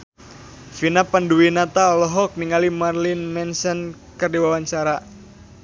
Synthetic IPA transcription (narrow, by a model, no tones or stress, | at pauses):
finapanduwinat̪aɔlɔɦɔk̚niŋalimarlɪnmɛnsən | kərdiwawaɲt͡ʃaɾa